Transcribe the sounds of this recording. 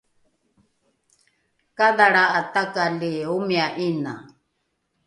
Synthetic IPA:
kaðaɺaʔat̪akaliumiaʔina̰

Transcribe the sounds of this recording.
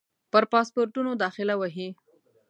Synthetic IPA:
pəɾpɑspoɾʈunod̪ɑxɪlawaɦi

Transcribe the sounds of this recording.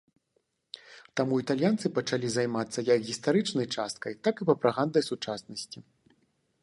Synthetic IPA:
t̪amuit̪alʲjant̪sɨpɐt͡ʂalʲizajmat̪sːɐjɐkɣʲist̪aɾɨt͡ʂnɐjt͡ʂast̪̚kɐjt̪akɨpɐpɾaɣand̪ɐjsut͡ʂasnɐsʲt͡sʲi

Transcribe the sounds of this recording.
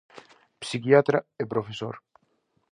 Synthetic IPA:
psiciat̪ɾɐepɾofesoɾ

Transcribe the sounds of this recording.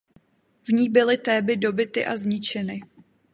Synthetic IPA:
vɲiːbɪlɪt̪ɛːbɪdo̞bɪt̪ɪʔazɲɪt͡ʃɛnɪ

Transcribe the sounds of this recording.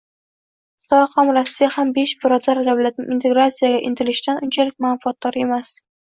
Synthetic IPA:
qʊ̥t̪ʰɒjqʰɒmɾasɪd̪ahambe̞ʃbɪɾɒd̪aɾd̪awlat̪̚nɪŋʲint̪ʰe̞ɡɾat̪sijaɡʲaʔɪnt̪ʰɪlɪʃɪd̪anʔʊnt͡ʃʰalɪk̚ʲmanfɒt̪̚d̪ɒɾe̞mas

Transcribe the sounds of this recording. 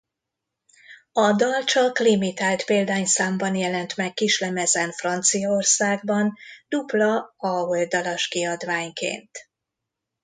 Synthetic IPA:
ɒd̪ɒlt͡ʃɒklimit̪aːlt̪peːld̪aːɲsaːmbɒnjɛlɛnt̪mɛkːiʃlɛmɛzɛnfrɒnt̪sijɒorsaːɡbɒnd̪̥uplɒɒold̪ɒlɒʃkiɒd̪ʋaːɲkḛːnt̪

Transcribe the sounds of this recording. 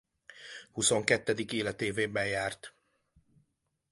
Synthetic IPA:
huso̞ŋkɛt̪ːɛd̪ikeːlɛt̪eːveːbɛjjaːrt̪

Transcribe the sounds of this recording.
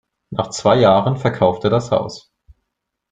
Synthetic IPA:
na̰ːχt͡sv̥aɪjaːʁənfɛɐkʰaʊfteːɐdasha̰ʊs

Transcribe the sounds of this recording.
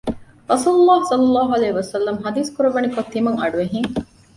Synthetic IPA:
ɾɐsuːlulːɑːhsɐlːɐlːɑːɦuɐleːɦʋɐsɐlːɐmɦɐd̪iːskuɾɐʋɐnikot̪ːimɐŋɐɖuʋeɦiŋ

